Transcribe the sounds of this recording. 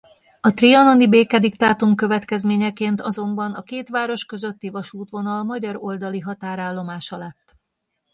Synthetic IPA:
ɒt̪riɒno̞nibeːkɛd̪ikt̪aːt̪umkø̞vɛt̪kɛzmeːɲɛkeːnt̪ɒzo̞mbɒnɒkeːt̪ʋaːɾo̞ʃkø̞zø̞t̪ːivɒʃuːt̪ʋo̞nɒlmɒɟɒɾo̞ld̪ɒliɦɒt̪aːɾaːlːo̞maːʃɒlɛt̪ː

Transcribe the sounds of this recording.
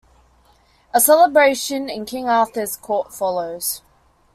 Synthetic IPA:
əsɛləbɹeɪʃə̃nɪ̃nkʰɪ̃ŋɑˑθəz̥kʰɔˑtfɒləʊz̥

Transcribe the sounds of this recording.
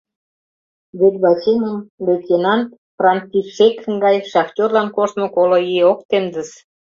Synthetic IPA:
βet̪βɑsʲinʲəmvʲet̪ʲenɑnt̪ | frɑnt͡sifʃekŋɡɑjʃɑxtʲorlɑnkoʃt̪mə̆kolojeok̚t̪emd̪əs

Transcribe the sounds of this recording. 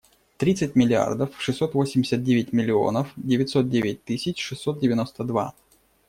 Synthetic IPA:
t̪ɾʲit̪sɨt̚ʲmʲɪlʲɪa̰rd̪əfʂɨsːo̞t̪vo̞sʲɪmʲdʲɪsʲət̪̚dʲevʲɪtʲmʲɪlʲɪo̞̰nəfdʲɪvʲɪtʲso̞t̪̚dʲevʲɪt̚ʲt̪ɨsʲɪt͡ɕʂɨsːot̪̚dʲɪvʲɪno̞st̪əd̪va̰

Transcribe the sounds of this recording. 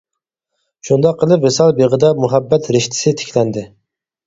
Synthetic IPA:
ʃund̪ɑqʰːəlˠɨpvesɑlˠbeʁɨd̪ɑmuɦæbːæt̪ɾɪʃt̪ʰɪ̥sɪt̪ʰɪ̥kʲʰlænd̪ɪ

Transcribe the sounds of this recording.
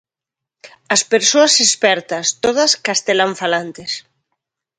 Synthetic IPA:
ɐspeɾsoasespɛɾt̪ɐst̪oð̞ɐskast̪elaɱfalant̪es

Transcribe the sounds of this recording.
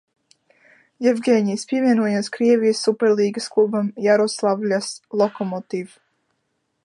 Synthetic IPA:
jɛvɡʲeːɲʲiːspʲiɛvʲiɛnuɔjanskɾiɛvʲijəsːupɛɾliːɡəsklˠubamjaɾɔslˠavlʲaslˠɔkɔmɔt̪iv

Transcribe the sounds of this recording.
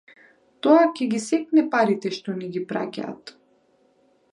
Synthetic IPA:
t̪ɔakʲɛɡʲisɛk̚nɛpaɾit̪ɛʃt̪ɔniɡʲipɾa̰cʲa̰ːt̪

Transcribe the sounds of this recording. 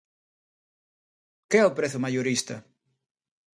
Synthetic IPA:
keɛʊpɾeθʊmajoɾist̪ɐ

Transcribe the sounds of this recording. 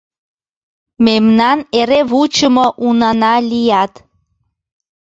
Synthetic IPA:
memnɑneɾeβut͡ɕəmɤʔunɑnɑlijɑt̪

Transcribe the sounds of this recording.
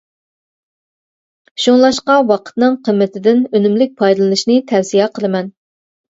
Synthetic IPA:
ʃuŋlˠɑʃqɑwɑqʰə̥t̪nɨŋqʰəmːɪt̪ʰɪd̪ɪnønymlɪk̚ʲpʰɑjd̪ɨlˠɨnɨʃnɨt̪ʰɛfsijɛqʰəlˠɨmɛn

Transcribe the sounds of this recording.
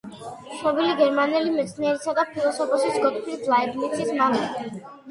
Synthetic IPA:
ʃɔbiliɡɛɾmanɛlimɛt̪sʰniɛɾisad̪apʰilˠɔsɔpʰɔsisɡɔt̪ʰkʰlid̪laɛbluk̪ʰismalɛ

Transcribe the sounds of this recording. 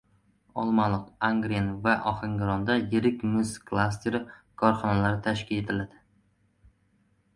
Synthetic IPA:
ɒlˠmɑanlˠɨqaŋɡɾianvaʔɒχɪŋɡɾɒnd̪ajeɾɪkʲmʊskʰlˠas̬t̪ʰeɾ | kʰɒɾχɒnalaɾɪt̪ʰaʃkʲʰɪle̞t̪ʰɪlad̪ɪ

